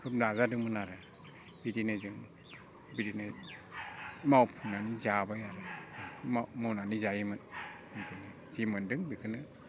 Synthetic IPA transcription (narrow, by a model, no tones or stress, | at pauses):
kʰɯpɾazadɯŋmɯnaɾɯ | b̥idinɯzɯŋ | bidinɯ | mawpʰunanizabajaɾɯmamawnanizajimɯn | ɯntɯnɯ | zimɯndɯŋbikʰɯnɯ